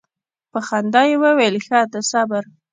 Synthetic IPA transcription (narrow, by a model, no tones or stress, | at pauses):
pəxand̪ɑjewəwelxat̪asabaɾ